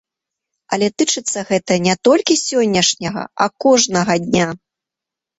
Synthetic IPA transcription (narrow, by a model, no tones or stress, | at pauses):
ɐlʲɛt̪ɨt͡ʂɨt̪sːɐɣɛt̪ɐnʲɛt̪ɔlʲkʲisʲɔnʲːɐʂnʲɐɣɐ̰ɐkɔʐnɐɣɐd̪ʲnʲa